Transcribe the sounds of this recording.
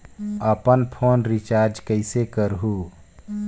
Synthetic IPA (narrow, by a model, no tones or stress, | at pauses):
əpənpʰoːnɾit͡ʃaːɾd͡ʒkəɪsekəɾɦuː